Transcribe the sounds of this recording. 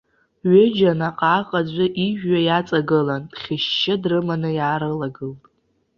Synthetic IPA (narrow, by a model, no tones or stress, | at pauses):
ɥɪd͡ʒanaqʼaːqʼad͡ʑʷʼaʔiʒᶣːajat͡sʼaɡɨland̥χʲɪʃːɪdrɨmanɨjaːɾɨlaɡɨltʼ